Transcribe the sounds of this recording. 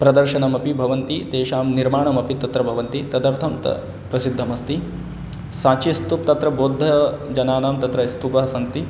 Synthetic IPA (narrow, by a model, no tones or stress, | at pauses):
pɾɐd̪ɐɾʃɐnɐmɐpibʱɐʋɐnt̪it̪eːʃaːmniɾmaːɳɐmɐpit̪ɐt̪ɾɐbʱɐʋɐnt̪it̪ɐd̪ɐɾt̪ʰɐmt̪ɐ̰ | pɾɐsid̪ʱːɐmɐst̪i | saːt͡ʃist̪up̚t̪ɐt̪ɾɐboːd̪ʱːɐd͡ʒɐnaːnaːmt̪ɐt̪ɾɐst̪upɐɦɐsɐnt̪i